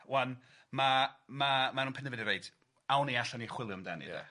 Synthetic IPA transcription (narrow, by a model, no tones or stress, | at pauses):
wɛn | mamamanunpʰɪnəvɛdiɾejd̥ | awniaɬaniχwɪlˠjʊmdanḭɛ̰